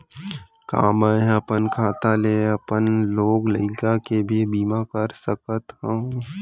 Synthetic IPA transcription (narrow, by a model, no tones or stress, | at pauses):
ka̰ːməəpənkʰaːt̪aleːəpənloːɡləɪkakebʱibiːmakəɾsəkət̪ɦə̃